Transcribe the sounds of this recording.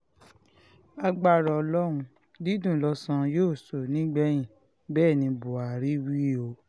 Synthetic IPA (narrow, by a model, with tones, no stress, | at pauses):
a˧ɡ͡ba˦˨ɾɔ˨ɔ˧lɔ˦ɾ̃ũ˧ | di˦dũ˦˨lɔ˧sã˧joː˦˨so˨nĩ˨˦ɡ͡bɛ˦j̃ĩ˨ | bɛː˦˨nĩ˧bo˨a˨ɾi˦wi˦o˧˦